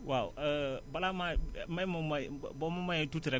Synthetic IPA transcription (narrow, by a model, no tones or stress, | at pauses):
wa̰balamamaimamabɔmamajɛ̃tutiɾɛ